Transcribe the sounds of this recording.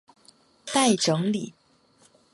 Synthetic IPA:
t̪a˥˩ɪʈ͡ʂɤ˧˥ŋli˨˩˦

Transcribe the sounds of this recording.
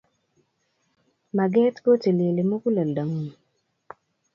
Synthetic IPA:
ma˨ɡɛ˦tko˦te˨le˨le˨mo˦ku˦la˨la˨ŋo˦˨n˨

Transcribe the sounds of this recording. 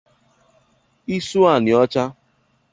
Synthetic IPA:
i˦su˦a˦˨nɪ˨ɔ˦t͡ʃa˦

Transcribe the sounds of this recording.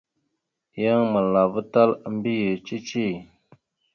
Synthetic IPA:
ja˦ŋmə˨lːa˨və˦t̪a˦lə˨mbi˦je˨t͡ʃi˦t͡ʃi˦

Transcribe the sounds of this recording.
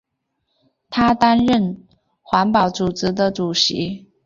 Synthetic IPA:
t̪ʰa˥t̪a˥nɻə˥˨n | xwa˧˥npɑ˨˩ʊt͡su˨˩t͡sɻ̩˧˥d̪ə˧ʈ͡ʂu˨˩ɕi˧˥˦

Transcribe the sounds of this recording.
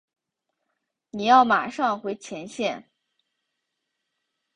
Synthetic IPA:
ni˨˩jɑ˥˩ʊma̰˨˩ʂɑ˥˩ŋxwe˧˥ɪt͡ɕʰjɛ˧˥nɕjɛ˥˩n

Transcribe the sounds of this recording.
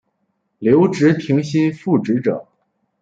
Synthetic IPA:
ljo˧˥ʊʈ͡ʂɻ̩˧˥t̪ʰi˧˥ŋɕi˥nfu˥˩ʈ͡ʂɻ̩˧˥ʈ͡ʂɤ̰˨˩˦

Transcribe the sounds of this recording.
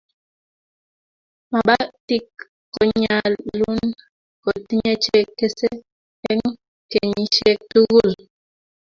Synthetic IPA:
ma˨ɓa˦ti˦kː | ɔ˨ɲa˨lːu˦n | kɔ˨ti˦ɲe˦t͡ʃe˦kːe˦se˦ | ɛ˦ŋ | ke˨ɲi˦t͡ʃe˦tu˦ɣu˦˨l

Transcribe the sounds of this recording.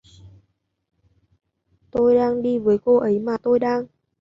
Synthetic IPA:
t̪o˧jɗaː˧ŋɗi˧vəː˨˦jko˧ʔə˨˦jmaː˨˩t̪o˧jɗaː˧ŋ

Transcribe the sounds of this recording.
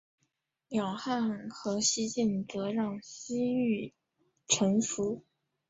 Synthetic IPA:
jɑ˨˩ʊxa˥˩nxɤ˧˥ɕi˥t͡ɕi˥˩nt͡sɤ˧˥ɻɑ˥˩ŋsi˥y˥˩ | ʈ͡ʂʰɤ˧˥ŋfu˧˥

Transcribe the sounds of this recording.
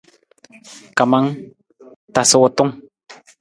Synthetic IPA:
ka˨ma˦ŋ | ta˨sɔ˦wɔ˦tʊ˦ŋ

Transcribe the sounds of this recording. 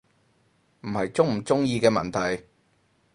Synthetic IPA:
m̩˨˩hɐ˨jt͡sʊ˥ŋm̩˨˩t͡sʊ˥ŋjiː˧kɛː˧mɐ̰˨nt̪ʰɐ˨˩j

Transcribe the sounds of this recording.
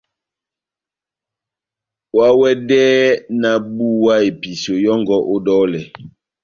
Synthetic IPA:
wa˦wɛ˦dɛː˦na˨bu˦wa˦e˨pi˨so˨jɔ˦ŋɡɔ˦ʔo˦dɔ˦lɛ˨

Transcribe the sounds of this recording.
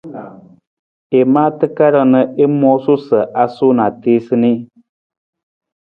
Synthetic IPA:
e˨maː˦tɨ˦ka˦ɾə˨nə˨ʔe˦mɔ˦su˦sə˨ʔa˦so˦na˨teː˦sɨ˦ni˦

